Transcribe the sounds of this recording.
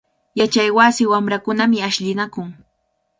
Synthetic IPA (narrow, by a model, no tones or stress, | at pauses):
jat͡ʃajwasɪwamɾakʊnamɪaʃʎɪnakʊŋ